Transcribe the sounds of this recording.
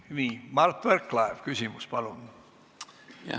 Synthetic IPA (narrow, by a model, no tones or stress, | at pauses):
miːmɑrt̪ːʋerkːlɑeʋkysimuspɑlun